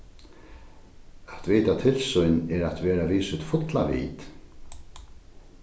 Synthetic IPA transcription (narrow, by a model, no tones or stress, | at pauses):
at̪viːt̪at̪ʰɪlsʏjnɛɾat̪vɛːɾaviːsʏt̪fʊt̪lavḭːt̪